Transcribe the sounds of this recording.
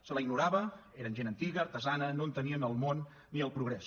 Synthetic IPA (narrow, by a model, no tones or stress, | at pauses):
sələiɡnuɾaβəeɾənʒenənt̪iɣəːɾt̪əzanənont̪əniənəlˠmonː | iəlˠpɾuɣɾɛs